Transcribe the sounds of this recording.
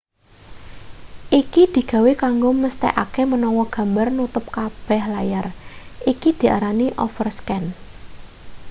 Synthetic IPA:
ʔikid̪̥i̤ɡ̥a̤wekaŋɡoməst̪ɛ̰ʔa̰kemənɔwɔɡ̥a̤mbarnut̪ʊp̚kab̥ɛ̤hlajarʔikid̪̥i̤a̰ɾaniʔɔ̰fərskɛn

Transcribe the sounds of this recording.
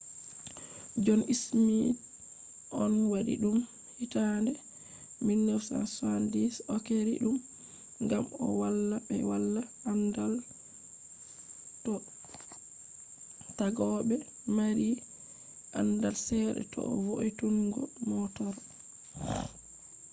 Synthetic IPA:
d͡ʒɔnismid | ʔɔnwaɗḭɗum | hitandɛ | minːɛwsa̰nsandisɔkeɾḭɗum | ŋɡamɔ̰walːabɛ̰walːa | andal | tɔ | taɡɔɓɛ | maɾi | ʔandalsɛɗɛ̰tɔ̰ɔvoituŋɡɔmɔtɔɾ

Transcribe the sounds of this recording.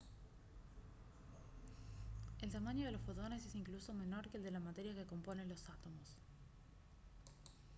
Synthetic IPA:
e̞lt̪amaɲo̞ð̞e̞losfot̪onesesiŋkluso̞me̞no̞ɾkeːld̪e̞lamat̪e̞ɾjake̞ko̞mpo̞ne̞nlo̞sat̪o̞mos

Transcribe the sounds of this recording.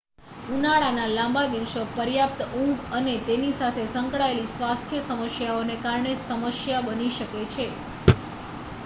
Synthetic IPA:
unaɭanalãmbad̪iʋsopəɾjap̚t̪əũŋɡənet̪enisat̪ʰesəŋkɭaelisʋast̪ʰjəsəməsjaonekaɾɳesəməsjabəniʃəket͡ʃʰe

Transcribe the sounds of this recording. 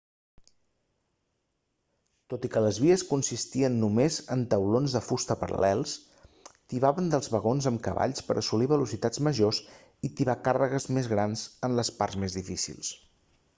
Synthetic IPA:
t̪ot̪ikələzβiəskunsist̪iənːumezənt̪əwlonzðəfust̪əpəɾə̰lɛlˠs | t̪iβaβənd̪əlˠzβəɣ̞onzəmkəβa̰ʎspəɾʔəsuliβ̞əlusit̪ad͡zməʒos | it̪iβakarəɣəzmezɣɾanzənləspaɾzmezðifisḭlˠs

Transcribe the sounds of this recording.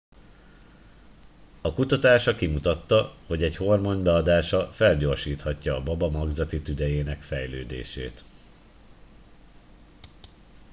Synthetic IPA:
ɒkut̪ɒt̪aːʃɒkimut̪ɒt̪ːɒho̞ɟɛɟho̞rmonbɛɒd̪aːʃɒfɛlɟo̞rʃiːt̪hɒcːɒːbɒbɒmɒɡzɒt̪it̪yd̪ɛjeːnɛkfɛjlø̰ːd̪ḛːʃḛːt̪

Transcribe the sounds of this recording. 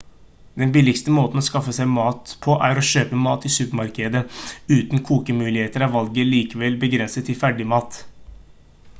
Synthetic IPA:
d̪ɛnbɪlːɪkst̪əmoːt̪n̩ɔːskɑfːəsæɪmɑːt̪pʰɔʔæɾɔʃøːpəmɑːt̪ɪsʉːpəmɑɾkəd̪əʉːt̪nkʰuːkəmʉːlɪheːt̪əɾɑʋɑlɡəliːkəʋɛlbəɡɾɛnsət̪ʰːɪlfæɖɪmɑːt̪

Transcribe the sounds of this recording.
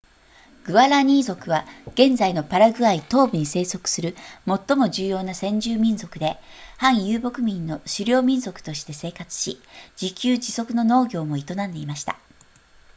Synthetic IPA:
ɡ̥ɯ̟βaɾaɲ̟iːzo̞kɯ̟βaɡ̥ẽ̞nd͡zaino̞paɾaɡɯ̟ait̪o̞ːbɯ̟ɲ̟ise̞ːso̞kɯ̥sɨɾɯ̟mo̞t̪ːo̞mo̞ʑɨːjo̞ːnasẽ̞ɲ̟d͡ʑɨːmʲĩnzo̞kɯ̟d̪e̞hãɰ̃jɯːbo̞kɯ̟mʲĩnːo̞ɕɨɾʲo̞ːmʲĩñzo̞kɯ̥t̪o̞ɕi̥t̪e̞se̞ːkat͡sɨ̥ɕid͡ʑikʲɨːd͡ʑiso̞kɯ̟no̞no̞ːɡʲo̞ːmo̞it̪o̞nãnd̪e̞imaɕi̥t̪a̰

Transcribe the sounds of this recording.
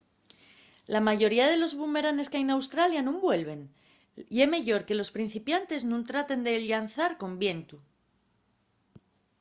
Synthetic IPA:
lamaʝo̞ɾiaðe̞lo̞zβume̞ɾane̞skajnawst̪ɾaljanũmbwe̞lβ̞e̞n | ie̞me̞ʝo̞ɾke̞lo̞spɾin̟θipjant̪e̞znũnt̪ɾat̪e̞nd̪e̞lʎanθaɾko̞mbje̞nt̪u

